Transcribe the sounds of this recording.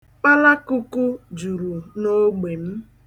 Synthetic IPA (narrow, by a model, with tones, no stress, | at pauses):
k͡pa˦la˦ku˦ku˦d͡ʒu˨ɾu˨no˦ɡ͡be˨m̩˦